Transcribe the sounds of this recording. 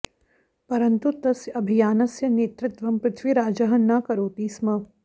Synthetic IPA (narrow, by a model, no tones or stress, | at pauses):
pɐɾɐnt̪ut̪ɐsjɐbʱijaːnɐsjɐneːt̪ɾɪt̪ʋɐmpɾɪt̪ʰʋiɾaːd͡ʒɐɦɐnːaːkɐɾoːt̪iːsmɐ